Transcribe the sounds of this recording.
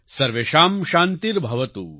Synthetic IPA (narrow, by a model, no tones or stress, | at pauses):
sɐɾʋeːʃaːmʃaːnt̪iɾbʱɐʋɐt̪ṵː